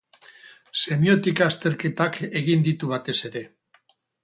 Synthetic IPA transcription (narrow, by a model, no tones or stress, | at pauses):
se̞mio̞t̪ikaːst̪e̞ɾke̞t̪ake̞ɣind̪it̪uβat̪e̞se̞ɾe̞